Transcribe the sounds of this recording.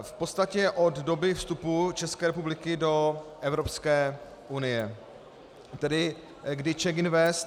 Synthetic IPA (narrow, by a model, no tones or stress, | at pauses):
fpot̪st̪acɛʔo̞d̪do̞bɪfst̪uput͡ʃɛskɛːɾɛpublɪkɪdo̞ʔɛvɾo̞pskɛː | ʔunɪjɛ | t̪ɛdɪ | ɡdɪt͡ʃɛɡɪnvɛst̪